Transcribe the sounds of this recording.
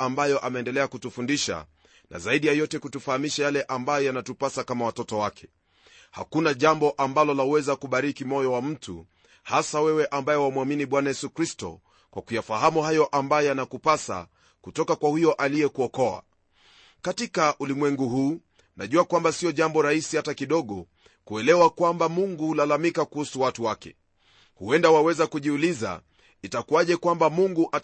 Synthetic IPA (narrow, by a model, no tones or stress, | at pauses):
ambajɔʔamɛːndɛlɛakutufundiʃa̰ | nʔa̰zaiɗijajɔtɛkutufahamiʃajalɛʔambajɔjanatupasakamawatɔtɔwakʰɛ̥ | ha̰kunaʄambɔʔambalɔlawɛzakuɓaɾikimɔjɔwam̩tṵ | hasawɛwɛʔambajɛwamuaminiɓwanajɛsukɾistɔ̰ | kwʔakujafaɦamuhajɔʔambajɔjanakupasa̰ | kutɔkakwahijɔʔalijɛkuɔkɔa̰ | katikaʔulimwɛŋɡuɦuː | na̰ʄuakwambasiɔʄambɔɾahisihatakiɗɔɠɔ | kuɛlɛwakwambamuŋɡuhulalamikakuhusuwatuwakɛ̰ | huɛndawawɛzakuʄiuliza̰ | itakuaʄɛkwambamuŋɡuʔa